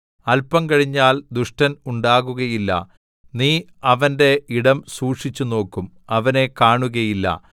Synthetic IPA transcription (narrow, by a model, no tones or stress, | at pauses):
ɐlpɐmkɐɻiɲːaːld̪uʂʈɐnuɳɖaːɣuɣɐjilːɐ̰ | niː | ɐʋɐnde̞iɽɐmsuːʂit͡ɕːuno̞ːkːum | ɐʋɐne̞kaːɳuɣɐjilːɐ̰